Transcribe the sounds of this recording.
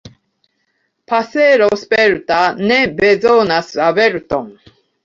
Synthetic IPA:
pʰaseɾospeɾut̪anɛbɛd͡zonasɨaβeɾut̪ɔŋ

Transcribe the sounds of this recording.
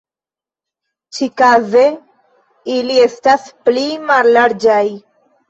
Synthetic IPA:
t͡ʃʰikaːze | iliesʈaspliːmaɾlɐɽd͡ʒaːi

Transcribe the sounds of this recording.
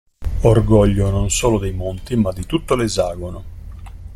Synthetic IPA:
orɡɔʎːononsoːlod̪ejmont̪imad̪ːit̪ut̪ːolezaːɡono

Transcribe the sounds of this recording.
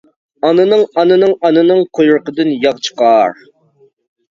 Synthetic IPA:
ɑnɨnɨŋɑnɨnɨŋɑnɨnɨŋqʰojʊɾqəd̪ɨnjɑqt͡ʃʰə̥qɑːɾ

